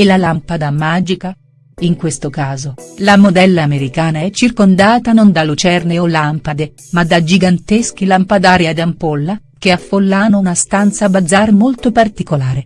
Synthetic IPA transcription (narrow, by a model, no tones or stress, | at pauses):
elːalampad̪amaːd͡ʒika | iŋkwest̪okaːzolamod̪ɛlːaːmeɾikaːnaɛt͡ʃːirkond̪aːt̪anond̪alut͡ʃɛrneolampad̪e | mad̪ːad͡ʒiɡant̪esk̟ilampad̪aːɾiad̪ampolːa | keafːolːaːnounast̪ant̪sabad̪zːaɾemolt̪opart̪ikolaːɾe